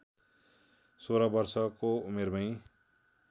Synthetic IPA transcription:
soɾʌbʌrsʌkoumeɾbʌj̃

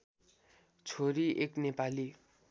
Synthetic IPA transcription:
t͡sʰoɾiʔeknepali

